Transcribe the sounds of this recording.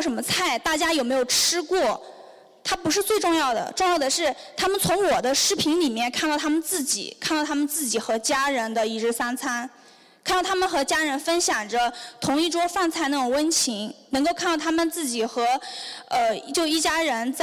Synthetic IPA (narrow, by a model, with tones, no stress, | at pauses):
ʊʂə˧˥nmə˧t͡sʰa˥˩ɪt̪a˥˩t͡ɕja˥jo˨˩me˧˥ɪjo˨˩ʊʈ͡ʂʰɻ̩˥kwɔ˥˩ | t̪ʰa˥pu˧˥ʂ̬ɻ̩˥˧t͡swe˥˧ɪʈ͡ʂʊ˥˧ŋjɑ˥˩ʊd̪ə̰˩ʈ͡ʂʊ˥˧ŋjɑ˥˩ʊd̪ə˩ʂɻ̩˥˩t̪ʰa˥mə˨nt͡sʰʊ˧˥ŋwɔ˨˩d̪ə˦ʂɻ̩˥pʰi˧˥nli˨˩mjɛ˥˧nkʰa˥˧t̪ɑ˥˩ʊt̪ʰa˥mə˨nt͡sɹ̩˥˩t͡ɕḭ˨˩˦kʰa˥˧nt̪ɑ˥˩t̪ʰa˥mə˨nt͡sɹ̩˥˩t͡ɕi˨˩xɤ˧˥t͡ɕja˥ɻə˧˥nd̪ə˧i˥˩ʈ͡ʂɻ̩˥sa˥nt͡sʰa˥n | kʰa˥˩ɑ˥˩t̪ʰa˥mə˨nxɤ˧˥t͡ɕja˥ɻə˧˥nfə˥nɕjɑ˨˩ŋʈ͡ʂə˦t̪ʰʊ˧˥ŋi˥˩ʈ͡ʂwɔ˥fa˥˧nt͡sʰa˥˩ɪna˥˩ʈ͡ʂʊ˨˩ŋwə˥nt͡ɕʰi˧˥ŋnɤ˧˥ŋko˥˧ʊkʰa˥˧t̪ɑ˥˩ʊt̪ʰa˥mə˨nt͡sɹ̩˥˩t͡ɕi˨˩xɤ˧˥ə˧t͡ɕjo˥˧ʊi˥˩t͡ɕja˥ɻə˧˥nt͡s